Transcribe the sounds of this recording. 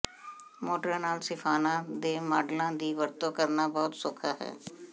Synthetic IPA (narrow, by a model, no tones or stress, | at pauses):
moːʈəɾnaːlsɪpʰaːnãːd̪eːmaːɖlãːd̪iːʋəɾt̪õːkəɾnaːbɔːʊt̪sʊkʰaːɦɛ̰ː